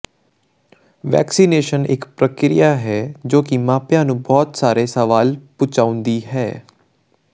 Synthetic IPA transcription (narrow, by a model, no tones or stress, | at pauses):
ʋɛ̰ːksiːneːʃənɪ̰kpɾəkɾḭjaːɦɛːd͡ʒoːkɪmãːpjãːnũːbɔːt̪saːɾeːsəʋaːlpʊt͡ʃaːʊ̃nd̪iːɦɛː